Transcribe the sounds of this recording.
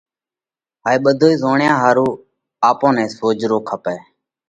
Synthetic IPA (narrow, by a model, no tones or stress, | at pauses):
ɦaːiːɓəd̪ʱoːiːzoːɳjãːɦaːɾuː | aːpõːnɛ̃ːsoːd͡ʒɾoːkʰəpɛː